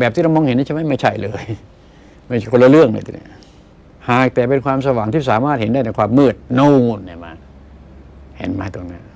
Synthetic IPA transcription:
bɛː˨˩p̪̚ʰiː˥ɾa˧wmɔː˧ŋhe˨˦nː˧˥˩t͡ɕʰma˥˩jma˥˩jt͡ɕʰa˥˩jlɤː˧j | ma˥˩jkʰo˧la˧lɯ˥˩əŋlə̰ː˧jt̪ɛ˨˩˦nḭ˦˥˩ | haː˨˩k̚t̪ɛː˨˩p̬e˧nkʰwaː˧msa˧waː˩˦ŋt̪ʰiː˥˩s̬aː˩˦maː˥˩t̪̚he˨˦nda˥˩jn˧kʰwaː˧mːɯː˥˩t̪̚no˧˨nːi˧˩ma̰ː˧ | hɛ̰ː˨˩˦nmaː˧˩t̪o˧ŋna˦˥n

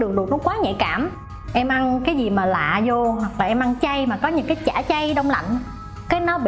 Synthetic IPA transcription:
ɗɨ˨˩ŋ̚ɗɨ˨˩ək̚nɔ˨˦kwaː˨˦ɲɛ̰˧˨kaː˧˩m | ʔɛ˧mʔa˧nkaː˨˦jzi˨˩maː˨˩la̰ː˧˨zo˧hwa˨˩k̚laː˨˩ʔɛ˧mʔa˧nt͡ɕa˧jmaː˨˩kɔ˨˦ɲɨ̰˧˥˦ŋkaː˨˦jt͡ɕaː˧˩˦t͡ɕa˧jɗə˧wŋ͡mla̰˧˨ŋ̟ | kaː˨˦jnɔ˨˦

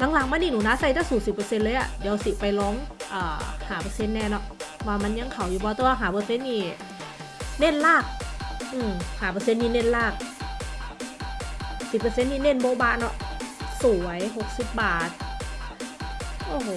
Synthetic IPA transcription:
la˧˦ŋla˧˦ŋma˧˥˨nːiː˧˨nuː˨˩˦naː˧˥˨sa˧˩jt̪ʰa˧˩suː˨˩si˨˩pːɤ˧se˧˨nlɤː˧˦jʔa̰˨˧˩di˧˦˧wsi˨˧˩pa˧˨jlɔː˧˥˨ŋʔaː˨˩haː˨˩pɤ˧se˧˥˨nːɛː˧˨nɔ˧˦ʔwaː˧ma˧˥˨nɲa˧˥˨ŋkʰa˨˩wjuː˧˩bɔː˧˦t̪ɛː˧waː˧ɦaː˨˩pɤː˧se˧˥˨nːiː˧˩ | ne˧˥˨nlaː˧˥˩k̚ʔɯː˧˩mhaː˨˩pɤː˧se˧˨nːiː˧˨ne˧˩˨nlaː˧˩k̚ | si˨˩p̚ːɤ˧se˧˥˨nːiː˧˨ne˧˥˨nbɔː˧˦baː˧˩nɔ̰˧ʔsuː˨˩˦jɦo˧k̚si˧˦p̚baː˨˩t̪̚ | ʔoː˧˩ɦ

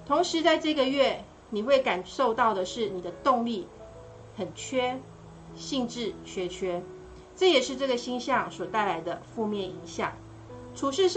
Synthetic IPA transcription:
t̪ʰo˧˥ŋʂɻ̩˧˦t͡sa˥˧ɪʈ͡ʂɤ˥˧ɡə˨ɥɛ˥˩ | ni˨˩xwe˥˩ɪka˨˩nʂo˥˧ʊt̪ɑ˥˩ʊd̪ə˩ʂɻ̩˥˩ni˨˩d̪ə˦t̪ʊ˥˧ŋli˥˩ | xə˨˩nt͡ɕʰɥɛ˥ | ɕi˥˧ŋʈ͡ʂɻ̩˥˨t͡ɕʰɥɛ˥t͡ɕʰɥɛ˥ | ʈ͡ʂɤ˥˩jɛ˨˩ʂɻ̩˥˧ʈ͡ʂɤ˥˩ɡə˩ɕi˥ŋɕjɑ˥˨ŋswɔ˨˩t̪a˥˩ɪla˧˥ɪd̪ə˧fu˥˧mjɛ˥˩ni˧˥ŋɕjɑ̰˨˩˦ŋ | ʈ͡ʂʰu˧˥ʂɻ̩˥˧

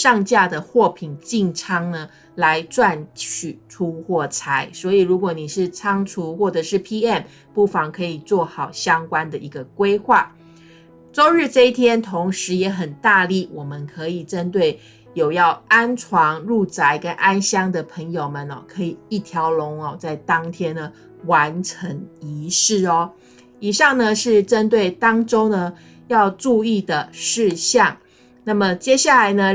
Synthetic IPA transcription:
ʂɑ˥˧ŋt͡ɕja˥˩d̪ə˩xwɔ˥˩pʰi˨˩nt͡ɕi˥˧ŋʈ͡ʂʰɑ˥ŋnə˧ | la˧˦ɪʈ͡ʂwa˥˧nt͡ɕʰy˨˩ʈ͡ʂʰu˦xwɔ˥˩t͡sʰa˧˥˦ɪswɔ˧˥i˨˩ɻu˧˥k̬wɔ˧˦ni˨˩ʂɻ̩˥˩t͡sʰɑ˥ŋt͡sʰu˧˥xwɔ˥˩ʈ͡ʂɤ˨˩ʂɻ̩˥˩pʰi˥ɛ˥˩m | pu˥˩fɑ˧˩ŋkʰɤ˧˥i˨˩t͡swɔ˥˩xɑ˨˩ʊɕjɑ˥ŋkwa˥nd̪ə˨ʔi˧˥ɡə˧kwe˥ɪxwa˥˩ | t͡so˥ʊɻ̩˥˧ʈ͡ʂɤ˥˧i˥˩t̪ʰjɛ˥nt̪ʰo˧˥ŋʂɻ̩˧˥jɛ˧˥xə˨˩nt̪a˥˧li˥˩wʔɔ˨˩mə˨nkʰɤ˧˥i˨˩ʈ͡ʂə˦nt̪we˥˩ɪ | jo˨˩ʊjɑ˥˩ʊa˥nʈ͡ʂʰwɑ˧˥ŋɻu˥˩t͡sa˧˥˦ɪkə˦nʔa˥nɕjɑ˥ŋd̪ə˨pʰə˧˥ŋjo˨˩ʊmə˨nɔ̰˨˩kʰɤ˧˦˥i˨˩i˥˩t̪ʰjɑ˨˦˥ʊlʊ˧˦˥ŋɔ˨t͡sa˥˩ɪt̪ɑ˥ŋt̪ʰjɛ˥nə˨ | wa˧˦nʈ͡ʂʰə˧˦˥ŋi˧˥ʂɻ̩˥˩ɔ˨˩ | i˨˩ʂɑ˥˩ŋnə˨ʂɻ̩˥˩ʈ͡ʂə˦˥nt̪we˥˩ɪt̪ɑ˥ŋʈ͡ʂo˥ʊnə˨ | jɑ˥˧ʊʈ͡ʂu˥˧i˥˩d̪ə˩ʂɻ̩˥˧ɕjɑ˥˨˩ŋ | na˥˩mə˩t͡ɕjɛ˥ɕja˥˩la˧˥ɪnə˧

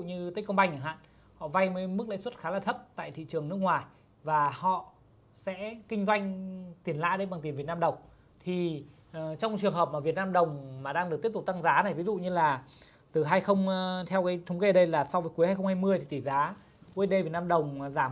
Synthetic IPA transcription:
ɲɨ˧t̪ə˨˦˥kːə˧wŋ͡mɓa˧jŋ̟ʔəː˨˩ɦa̰ː˧˨n | hɔ̰˧˨va˧jməː˨˦jmɨ˦˥k̚lə̰˧˥jswə˦˥t̚xaː˨˦laː˨˩t̪ʰə˦˥p̚t̪a̰ː˧˨jt̪ʰḭ˧˨t͡ɕɨ˨˩əŋnɨ˦˥ək̚ŋwaː˨˩j | vaː˨˩hɔ̰˧˨ | sɛ̰˧˥kï˧ŋ̟zwa˧jŋ̟t̪i˨˩ənla̰ː˧˨jɗə˧jɓa˨˩ŋt̪i˨˩vt̚naː˧ɗə˨˩wŋ͡m | t̪ʰi˨˩ | t͡ɕɔ˧wŋ͡mt͡ɕɨ˨˩əŋɦəː˨˩p̚maː˧˩vi˨˩ət̚naː˧mɗə˨˩wŋ͡mmaː˨˩ɗaː˧ŋɗɨ˨˩k̚t̪p̚tu˨˩k̚t̪a˧ŋzaː˨˦na˨˩jvi˨˦zṵ˧˨ɲɨ˧laː˨˩ | t̪ɨ˨˩ɦaː˧jxə˧wŋ͡mt̪ʰɛ˧wkaː˨˦jt̪ʰə˨˦wŋ͡mke˧ə˨ɗə˧jlaː˨˩sa˧wvəː˨˦jku˨˦haː˧jxə˧wŋ͡mhaː˧jmɨ˧əj̪ʰi˨˩t̪i˧˩zaː˨˦ | ʔu˧əɗe˧vi˨˩t̚naː˧mɗə˨˩wŋ͡mzaː˧˩

